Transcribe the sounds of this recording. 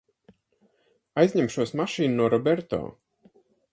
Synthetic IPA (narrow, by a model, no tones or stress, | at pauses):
ajzʲɲʲɛmʃuɔsmaʃiːnːuɔɾɔbɛɾt̪ɔ̰ː